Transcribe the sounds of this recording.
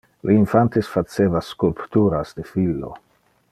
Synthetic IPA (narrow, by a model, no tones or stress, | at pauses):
lʔeinfant̪esfat͡seːvaskulpt̪uɾasd̪efilːo̰